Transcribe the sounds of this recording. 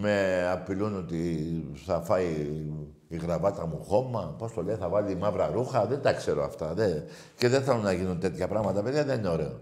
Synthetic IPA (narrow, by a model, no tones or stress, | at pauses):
me̞ɐpilunot̪iθɐfɐjː | ɣɾɐvɐt̪ɐmuxo̞mːɐpo̞st̪o̞leiθɐvɐlimɐvɾɐɾuxɐðe̞nd̪ɐkse̞ɾo̞ɐft̪ɐðe | ceðenθelunːɐʝinunt̪e̞t̪çɐpɾɐɣmɐt̪ɐpe̞ðjʝɐðe̞nineoɾe̞o